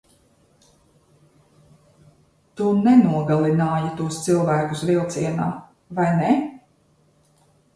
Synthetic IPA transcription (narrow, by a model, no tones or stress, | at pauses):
t̪unɛnuɔɡalˠinaːjat̪uɔst̪silˠvæːkusvilˠt̪siɛna̰ː | vajnɛ